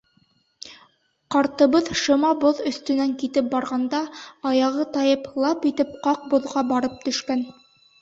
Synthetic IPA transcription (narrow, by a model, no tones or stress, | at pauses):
qɑɾt̪ɤ̆βɤðʃɤ̆mɑboðɵ̆st̪ɵ̆næŋkit̪ɘp̚bɑɾʁɑnd̪ɑːjɑʁɤt̪ɑjɤplˠɑpit̪ɘp̚qɑq̚bŏðʁɑbɑɾɤp̚t̪ɵ̆ʃkæn